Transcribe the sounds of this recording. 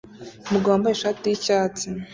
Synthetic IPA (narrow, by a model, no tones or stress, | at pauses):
muɡaβambajeʃaːtijicaːt͡se